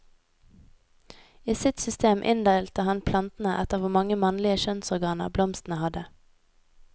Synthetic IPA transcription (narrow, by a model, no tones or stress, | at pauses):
iːsɪt̪sʏst̪eːmʔɪ̰nd̪æɪlt̪əhɑnpʰlɑnt̪n̩əʔɛt̪əʁʋʊmɑŋəmɑnlɪəʃœnsɔʁɡɑːnə̰ʁblɔmst̪n̩əhɑd̪ə